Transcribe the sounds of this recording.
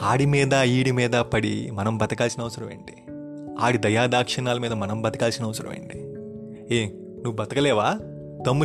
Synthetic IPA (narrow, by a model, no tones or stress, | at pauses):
aːɽimiːd̪ɐiːɽimiːd̪ɐpɐɽḭmɐnɐmbɐt̪ɐkaːlsinɐʋɐsɐɾɐmḛːɳɖi̥ | aːɽid̪ɐjaːd̪aːkʂɐnaːlɐmiːd̪ɐmɐnɐmbɐt̪ɐkaːlsinɐʋɐsɐɾɐ̰mɐ̰jɳɖi | eː | nuʋːubɐt̪ɐkɐlɛːʋaː | t̪ɐmːu